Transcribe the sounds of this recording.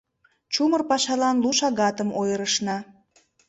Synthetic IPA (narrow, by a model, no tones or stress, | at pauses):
t͡ɕumərpɑʃɑlɑnluʃɑɣɑt̪əmʔojəɾəʃnɑ